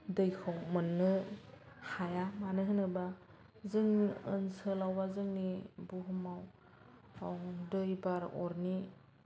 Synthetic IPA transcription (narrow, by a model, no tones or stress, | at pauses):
dɯjkʰɔwmɯnːɯ | hajamanɯɦɯnɯba | zɯŋɯnsɯlawbazɯŋnibuɦɯmaw | ɔŋdɯjbaɾɔ̰ɾni